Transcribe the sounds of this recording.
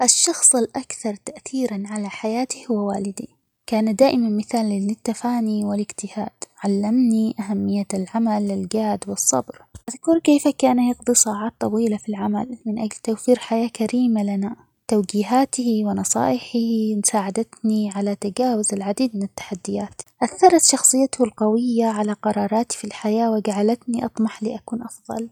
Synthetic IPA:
ʔaʃːɑxsˤɪlʔakθɑɾˤt̪aʔθiːɾanʕalaħajaːt̪ihʊwɪwaːlɪd̪i | kaːnad̪aːʔɪmanmɪθaːlɪlɪt̪ːafaːniwɪlɪɡt̪ɪhaːd̪̥ʕalːamniʔaɦamːɪjːalʕamalːɪlɡaːd̪wɨsˤːɑ̰bɾʔaðkʊɾkeːfakaːnajɑɡd̪ˤisɑːʕɑːt̪ˤːɑwiːlafilʕama̰lmɪnʔaɡlt̪awfiːɾħajaːkaɾiːmalana | t̪awd͡ʒiːɦaːt̪ɪhiwɪnɑsˤɑ̰ːʔɪħɪhimʊsaːʕad̪at̪niʕalat̪ad͡ʒaːwʊzɪlʕad̪iːd̪̚mɪnɪt̪ːḁħad̪ːɪjaːt̪ʔaθːɑɾˤɑt̪ʃɑxsˤɨjːat̪ʊhʊlqawɪjːaʕalaqɑɾˤɑːɾˤɑːt̪i̥filħajaːwɪɡaʕalat̪niʔɑt̪ˤmɑħlḭːʔakuːnʔɑfðˤɑ̰l

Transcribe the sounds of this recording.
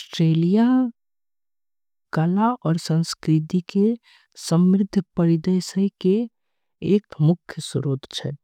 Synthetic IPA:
ɔsʈɾeːlija | kəlaɔːɾsə̃nskɾɪt̪ike | səmɾɪd̪ʱpəɾid̪əsəkeː | kmʊkʰːjəsuɾoːt̪t͡ʃʰɛ

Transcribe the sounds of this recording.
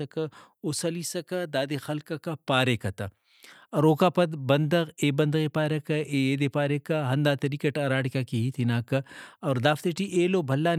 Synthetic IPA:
ɐkɐ | osɐlisɐkɐd̪aːd̪exɐlkɐkɐpaːɾekɐt̪ɐ | ɐɾoːkaːpɐd̪bɐnd̪ɐɣeːbɐnd̪ɐɣepaːɾɐkɐʔeːeːd̪epaːɾekɐɦɐnd̪aːt̪ɐɾikɐʈɐɾaːɽikakiɦit̪ʰinaːkɐɐːɾd̪aːft̪eʈiʔeːlobʱɐlːan

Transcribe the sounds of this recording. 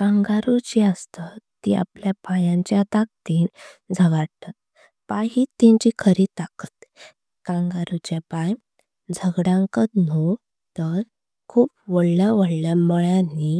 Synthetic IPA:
kãŋɡaɾut͡ɕiəst̪ət̪ḭa̰pljapajãɲt͡ɕjat̪ak̚t̪iːnd͡zʱəɡaɽt̪at̪̚ | pajɦit̪ĩɲt͡ɕikʰəɾit̪akət̪ | kãŋɡaɾut͡ɕjapaj | d͡zʱəɡɽãŋkət̪no | t̪əɾ | kʰuːpʋəɽljaʋəɽljaməɭani

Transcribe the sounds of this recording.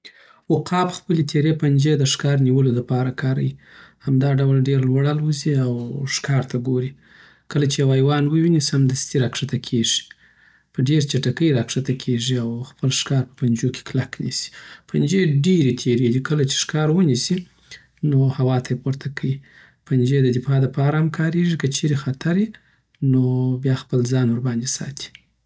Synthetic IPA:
wʊqɑpxpəlet̪ʰeɾepand͡ʒed̪əʂkɑɾniwəloləpɑɾakɑɾa̰wihamd̪ɑɖawlɖeɾlwaɽalwəziawʂkɑɾt̪aɡoɾi | kəlat͡ʃejawajwɑnwəwinisamd̪ast̪iɾakʂat̪akʰeʐi̥ | pəɖeɾt͡ʃaʈakəjɾakʂat̪akʰeʐiawxpəlʂkɑɾpə̥pand͡ʒokʰe̥klaknḭsi̥pʰand͡ʒeɖeɾet̪ʰeɾed̪ikəlat͡ʃe̥ʂkɑɾwənisi | nohawɑt̪ʰajepoɾt̪ʰakʰəwi | pand͡ʒed̪əd̪ɪfɑd̪əpɑɾahamkʰɑɾeʐikət͡ʃʰeɾexat̪ʰaɾji | nobjɑxpəlzɑnwʊɾbɑnd̪esɑ̰t̪ʰi̥

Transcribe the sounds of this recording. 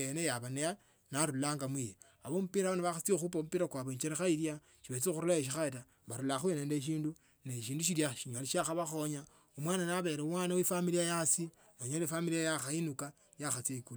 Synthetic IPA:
enejaβaneja | naɾulaːŋɡamwije | aβomupiɾaoneβaxat͡siexupomupiɾakwaβoeɲt͡ʃeɾexailja | ʃiβet͡sixuɾulaeʃ̬ixata | βaɾulaxweneːndeʃ̬iːndu | neʃiːnduʃ̬iɾjaʃiɲoliʃaxaβaxo̞ɲa | omwaːnanaβe̞ɾeumwaːnawefamilijajasi | noɲolefamiliajaxainuka | jaxat͡seikul

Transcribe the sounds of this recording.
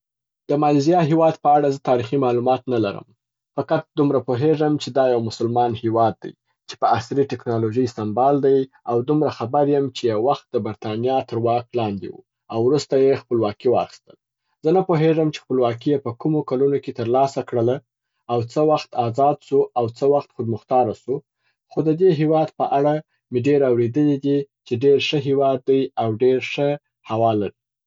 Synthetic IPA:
d̪̥əmɑlzijɑɦewɑd̪pəaɽazət̪ɑɾiximɑlumɑt̪nalaɾə̰m | faqat̪̚d̪umɾapoɦeʐəmt͡ʃed̪ɑjawmʊsəlmɑnhewɑd̪̚ːa̰j | t͡ʃe̥pəasɾiʈɪknɑloʒəjsambɑld̪aj | awd̪umɾaxabaɾjəmt͡ʃejawːaxt̪̚d̪əbaɾt̪ɑnijɑt̪əɾwɑk̚lɑnd̪ḛwṵ | awɾust̪ajexpəlwɑkiwɑ̰xi̥st̪əl | zənapoɦeʐəmt͡ʃe̥xpəlwɑkijepəkumokalunoket̪əɾlɑsakɽəlaː | wt͡səwaxt̪ɑzɑd̪suawt͡səwaxt̪xʊd̪mʊxt̪ɑɾasu | xod̪əd̪eɦewɑd̪pəʔaɽa | mɪɖeɾawɾed̪əlid̪it͡ʃeɖeɾʂəɦewɑd̪ːajawɖeɾʂə | hawɑlaɾi

